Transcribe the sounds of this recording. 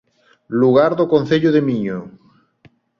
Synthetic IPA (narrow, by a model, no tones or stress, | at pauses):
luɣ̞aɾðokon̟θeʎʊðemiɲo